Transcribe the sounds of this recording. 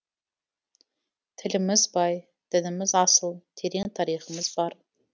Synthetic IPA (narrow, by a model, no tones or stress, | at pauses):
t̪ʰɪlɪmɪzbɑj | d̪̥ɪnɪmɪzɑsəlˠt̪ʰeɾeŋt̪ʰɑɾijχəmɪzbɑɾ